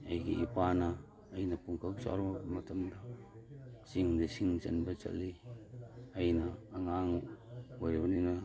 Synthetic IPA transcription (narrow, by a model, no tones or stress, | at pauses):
ajɡiʔipanaː | jnapuŋkawsa̰ɾomatamda | siŋdasiŋsa̰nbat͡ʃa̰li | ajnaːŋaŋuweɾiwanina